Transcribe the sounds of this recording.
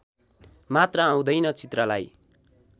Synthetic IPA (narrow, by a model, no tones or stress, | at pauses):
mat̪rʌːw̃d̪ʌjnʌt͡sit̪rʌlaj